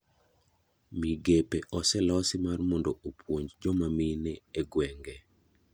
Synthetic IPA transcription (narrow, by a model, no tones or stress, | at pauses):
miɡepeʔɔsɛlɔsɪmarmɔndoopʰwoɲd͡ʒd͡ʒɔmaminɛːɡwɛŋɡɛ